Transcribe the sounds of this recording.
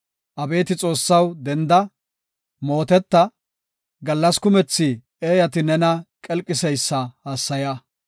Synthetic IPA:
ʔɐbe̞ːt̪ɪt͡sʼo̞ːsːɐwd̪ɛnd̪ɐ | mo̞ːt̪ɛt̪ːɐ | ɡɐlːɐskʊmɛt͡sːɪ | eːjɐt̪ɪnɛnɐkʼɛlkʼːɪsɛjsːɐhasːɐjɐ

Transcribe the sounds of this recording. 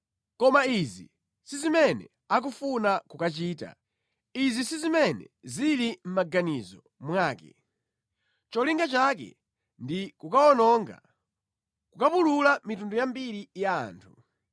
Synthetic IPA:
kɔmaizi | sizimɛnɛ̰ | ak̬ufunakukat͡ʃiːta̰ | izisizimɛnɛ̰zilim̩maɡanizɔ | mwaːkɛ | t͡ʃɔliŋɡat͡ʃak̬ɛ̰ | ndikukaɔnɔːŋɡa̰ | kukapululamitundujambiɾija̰ːntʰu

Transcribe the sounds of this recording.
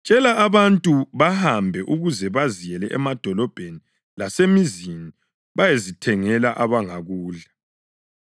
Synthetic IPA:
t͡ʃʼɛlaːβantʼuβahambʱɛʔuɣuzɛβazijɛlɛʔɛmad̥ʱɔlɔb̥ʱeni | lasemizini | βajezitʰɛŋɛlaʔaβaŋaɣuːɮa

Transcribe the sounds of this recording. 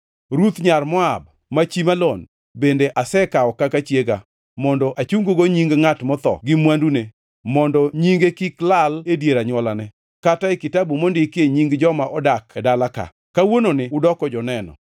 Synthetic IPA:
ɾut̪ɲarmɔab̚ | mat͡ʃimalon | bendeʔasɛkaɔkakat͡ʃjeɡa̰ | mɔndɔʔat͡ʃuŋɡoɡoɲiŋɡŋatmɔt̪ɔ̰ɡɪmwandune | mɔndɔɲiŋɡekiklaledjeɾaɲwɔlanɛ | kataɪkɪtabumondɪkeɲiŋɡd͡ʒɔmaʔɔdakɛdalaka̰ | kawononɪʊdɔkɔd͡ʒɔnɛnɔ̰

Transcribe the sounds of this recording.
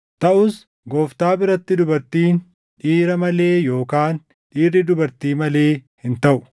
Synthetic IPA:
t̪ɐʔʊs | ɡoːft̪aːbɪɾɐt̪ːɪd̪ʊbɐɾt̪iːn | ᶑiːɾɐmɐle̞ːjo̞ːkaːn | ᶑiːrːɪd̪ʊbɐɾt̪iːmɐle̞ːhɪnt̪ɐʔʊ̥

